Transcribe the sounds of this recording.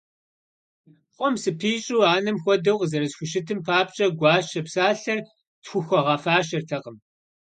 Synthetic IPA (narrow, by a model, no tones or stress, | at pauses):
qʷʼɔmsɨpʰiːɕʼuːaːnɐmxʷɔdɐwqzɐɾɐsxʷʊʃɪtʰɨmpʰaːp̚t͡ʃʼɐɡʷɑːʃɐpsaːɬɐr | txʷʊxʷɔʁɐfaːʃɐrtʰɐqəm